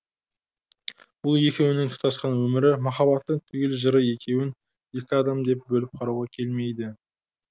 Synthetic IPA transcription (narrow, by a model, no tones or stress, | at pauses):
b̥ʊlˠje̞kʲe̞wnɪŋt̪ʰʊ̥qt̪ɑsqɑnwɵmɪɾɪmɑχɑβɑt̪ːəɴt̪ʰʏɡʲe̞lʒəɾəje̞kʲe̞wɪn | je̞kʲɪɑd̪ɑmd̪e̞p̚bɵlɪp̚qʰɑɾuwʁɑkʲʰe̞lme̞jd̪ɪ